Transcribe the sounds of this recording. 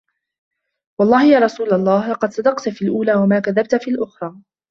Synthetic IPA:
wɑlˤːɑːhɪjaːɾˤɑsuːlalˤːɑːhɑqɑd̪sˤɑd̪ɑqt̪fiːlʔuːlaːwamaːkaðab̚t̪fiːlʔʊxɾˤɑː

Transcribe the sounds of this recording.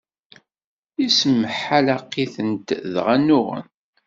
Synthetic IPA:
isəmːəħalaqːiθənt̪ðʁænːʊʁə̰n

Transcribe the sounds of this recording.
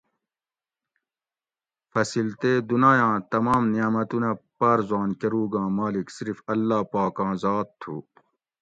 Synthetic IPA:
fɐsilt̪eːd̪unaːjãːt̪ɐmaːmnijaːmɐt̪unɐpɐɾzwaːnkɐɾuːɡãːmaːliksiɾfɐlːaːpaːkãːzaːt̪ʰːuː

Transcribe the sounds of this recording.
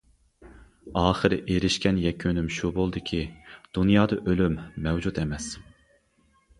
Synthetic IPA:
ɑːχəɾɪ̰ʔeɾɪʃkʲɛnjɛkʲʰønymʃubolˠd̪ɨkʲʰid̪̥unjɑːd̪ɑʔølymːɛwd͡ʒut̪ɛmɛs

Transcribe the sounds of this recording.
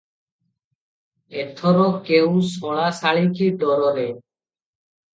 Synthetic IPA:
et̪ʰɔɾɔkewsɔɭasaɭikʰiɖɔɾɔɾe

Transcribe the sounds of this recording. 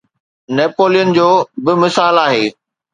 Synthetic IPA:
neːpoːlijənɪ̆d͡ʑoːbɪmɪsaːlaːɦeː

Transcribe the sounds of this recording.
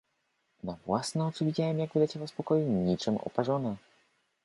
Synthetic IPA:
navwasnɛɔt̪suvʲid͡ʑajɛmjaɡvʲɨd̪at͡ɕɛvaspɔkɔjiɲit͡ʂɨmɔ̰paʐɔna

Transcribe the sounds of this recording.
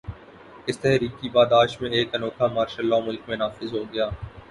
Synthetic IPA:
ɪst̪ɛɦɛɦɾiːkibaːd̪aːʃmẽeːkənoːkʰaːmaːɾʃəlːaːmʊlkmẽnaːfɪzɦoːɡɐjaː

